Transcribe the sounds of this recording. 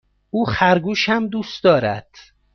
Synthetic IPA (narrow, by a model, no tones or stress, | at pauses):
ʔuːxæɾɡuːʃhæmd̪uːsd̪ɒːɾæ̰d̪̥